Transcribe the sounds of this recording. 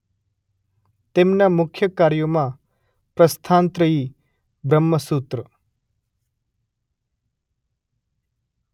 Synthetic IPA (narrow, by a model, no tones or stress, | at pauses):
t̪emnamukʰjəkaːɾjomã | pɾəst̪ʰaːnt̪ɾəi | bɾəmːəsut̪ɾə